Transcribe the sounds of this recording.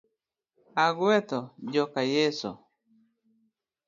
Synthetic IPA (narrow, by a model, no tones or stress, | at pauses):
aɡwet̪od͡ʒokajeso̰